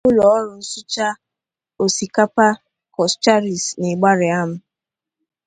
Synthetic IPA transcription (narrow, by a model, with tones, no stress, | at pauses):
ʊ˦lɔ˨ɔ˦ɾʊ˨n̩˦sʊ˦t͡ʃa˦ | o˨si˨ka˦pa˦ | kɔ˨st͡ʃa˦ɾi˨snɪ˨ɡ͡ba˦ɾɪ˨a˦m̩˦